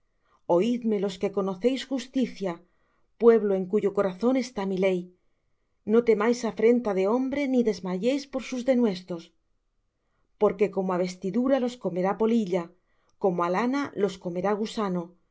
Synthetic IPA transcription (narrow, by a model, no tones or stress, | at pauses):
o̞iðme̞lo̞ske̞ko̞no̞θe̞jsxust̪iθja | pwe̞βlo̞e̞ŋkuʝo̞ko̞ɾaθo̞ne̞st̪amile̞j | no̞t̪e̞majsafɾe̞nt̪aðe̞o̞mbɾe̞niðe̞zmaʝe̞jspo̞ɾsuzðe̞nwe̞st̪ɾo̞s | po̞ɾke̞ko̞moaβ̞e̞st̪iðuɾalo̞sko̞me̞ɾapo̞liʎa | ko̞moalanalo̞sko̞me̞ɾaɣ̞usano̞